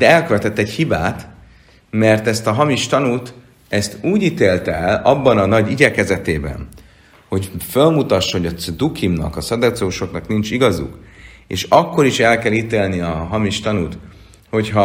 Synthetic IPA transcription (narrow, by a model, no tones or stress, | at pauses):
d̪̥ɛɛlkøvɛt̪ɛt̪ːɛchibaːt̪ | mɛrt̪ɛst̪ɒɦɒmiʃt̪ɒnut̪ | ɛst̪uːɟit̪eːlt̪ɛɛlɒbːɒnɒnɒɟiɟɛkɛzɛt̪eːbɛ̰n | ho̞cfølmut̪ɒʃːɒɦo̞ɟɒd̪ukʰimnɒ̰kɒsɒd̪ɛt̪sɛuʃo̞knɒknint͡ʃiɡɒzṵkḛːʃɒkːo̞ɾiʃɛlkɛlit̪eːlniɒɦɒmiʃt̪ɒnut̪ | ho̞chɒ